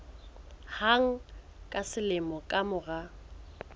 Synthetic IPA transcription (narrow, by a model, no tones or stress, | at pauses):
haŋ̩kʼasɪlɪmɔkʼamʊɣa